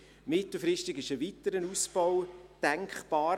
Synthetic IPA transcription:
mɪtl̩ˠfɾɪʃtɪɡɪʃəʋitəɾənusb̥ɔwd̥ɛŋkχb̥ɑːɾ

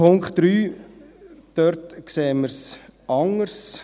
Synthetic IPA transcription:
ʊŋkχtɾyː | d̪̥œɾtkseːməɾsɑŋəɾs

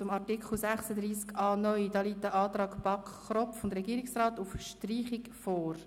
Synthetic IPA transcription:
t͡sʊmɑtikχl̩sæχsəd̥ɾiːskɑːnœʏd̥ɑːliːt̚dəʔɑːtrɑːkb̥ɑkχrɔfʊndɾɛɡiːəɾɪksrɑːtufʃtriːχɪkfoːɾ

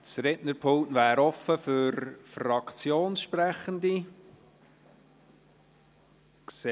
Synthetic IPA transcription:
t͡sɾɛtnəɾpʰʊlnʋæːɾɔfəfʏɾfrɑkt͡sjoːnsʃpɾæχənd̪i | ks

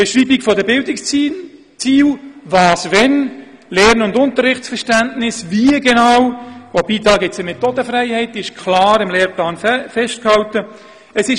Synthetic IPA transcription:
b̥ɛʃriːbikfɔdəbɪldɪks | t͡siːwvɑːsvɛn | lɛːɾnʊndʊntəɾːɪχtt͡sfəɾʃtæntnɪsviəɡɛnɑːwvobiːtɑːɡɪt͡səmɛtoːdəfɾɛɪhɛɪtɪʃkʰχlɑːɾɪmleːɾplɑːnfɛʃt̚khɑltə | əsɪʃ

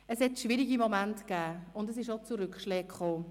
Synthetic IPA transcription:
əshɛtʃʋɪɾiɡimɔmæntkɛːʊndəs̬ɪʃ̬ot͡suɾʏkχʃlɛːkχoː

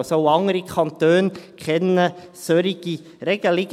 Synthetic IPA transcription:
soʊɑŋəɾikʰɑnt̪øːnkʰχɛnəsøɾiɡ̥i | ɾɛɡ̥əlɪɡ

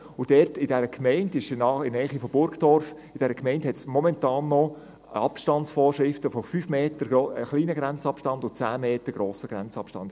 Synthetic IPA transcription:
ʊd̥ɛrtɪd̥ɛɾəkʰmɛɪndɪʃnɑɪnɛːχifɔb̥ʊɾkd̥ɔɾf | ɪd̥ɛɾəkmɛɪnthɛtt͡smɔmɛntɑːnːɔ | ɑpʃtɑnt͡sfɔːrʃɾɪftəfofyːfmeːtəɾoχliːnəɡɾɛnt͡sɑpʃtɑndʊt͡sæːmeːtəɾɡ̥ɾoːsəɡ̥ɾɛnt͡sɑpʃtɑ̰nd̥

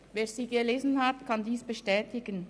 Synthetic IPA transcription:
veːɐziːɡəleːzənhatkʰɑndiːsb̥əʃtɛːtɪɡən

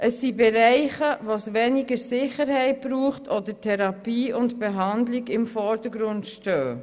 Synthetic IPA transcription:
ʔəsːibɛɾɛɪχəʋosʋɛnɪɡəɾsɪχəɾhɛɪt̚b̥ɾuːχtʰɔdətʰɛɾɑpiːʊntb̥eɛɦɑndlɪɡɪmfɔɾd̥əɡɾʊntʃtœː

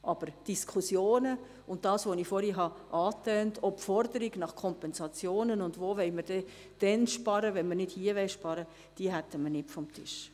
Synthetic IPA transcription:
ʔɑb̥əɾd̥iskʰusjoːnə | ʊnt̚d̥ɑːsʋonifɔɾiɦɑʔɑːtœːntʰɔpfɔrdəɾiɡnɑχkʰɔmpɛnsɑt͡sjoːnənʊndʋoːʋɛɪməɾd̥ɛ | d̥ɛnʃpɑɾəʋɛnməɾnɪd̥hiːəʋɛɪʃpɑɾə | d̥iəɦætːəmənɪtfɔmtʰɪʃ

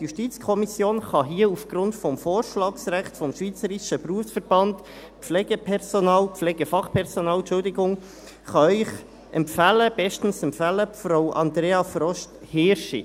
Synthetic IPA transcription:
juʃtit͡skʰɔmisjoːnχɑɦiəufɡ̥ɾʊntfɔmfoːɾʃlɑːksɾæχtfɔmʃviːt͡səɾiʃəpruəfsfəɾb̥ɑnd | pflɛːɡəpʰɛɾsonɑːlpflɛːɡəfɑχpʰɛɾsonɑːlʃʊldɪɡʊŋ | χɑœʏχ | ʔɛmpfæːləb̥ɛʃtn̩sɛmfæːləfɾaʊʔɑnd̪ɾeːɑfɾɔʃt | hɪːɾʃḭ

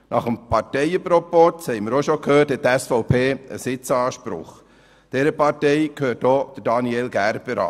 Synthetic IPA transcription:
nɑχəmpʰɑrtɛɪəpɾɔpɔthɛɪməɾoʃokhøːthɛt̚tɛsfɔʊpʰeːə̰sɪt͡sɑːʃpɾʊ̰χ | d̥ɛɾəpɑɾtɛɪkʰhøːt̚dod̥əɾdɑnielɡæɾb̥əɾɑ̰ː

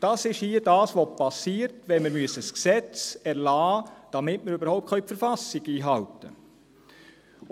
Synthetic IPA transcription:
d̥ɑːsɪʃhiːədɑːsʋopʰɑsiːɾtʋɛnməɾmyəsəsksɛt͡sɛɾlɑːd̥ɑmɪtməɾyːbəɾhɔʊp̚tkʰœʏpfəɾfɑsɪɡiːɦɑltə

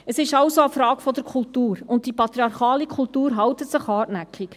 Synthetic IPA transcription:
əsɪʃɑwsoəfɾɑːɡ̥fɔd̪əɾkʰʊltuːɾʊnt̚d̥ipɑt̪ɾiɑɾχɑːlikʰʊltuːɾɦɑwt̪ətsɪχɑːʔnækʰik

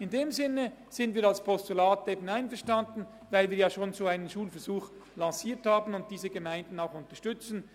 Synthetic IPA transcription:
ɪndeːmzɪnəz̥ɪndviːɾalspʰɔstulaːteːbən̩aɪnfɛɐʁʃtandn̩ | vaɪlviːɐjaːʃoːnzoːaɪnənʃuːlfɛɐɾz̥uːx | lɑ̃siːthaːbənʊnt̚d̥iːzəɡəmaɪndn̩aʊxʊntɐʃtʏt͡sn̩

